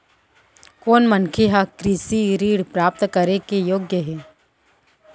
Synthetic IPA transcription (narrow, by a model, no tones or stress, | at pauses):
koːnmənkʰeɦakɾiːsiɾiːɽpɾaːp̚t̪kəɾekejoːɡjəɦɛː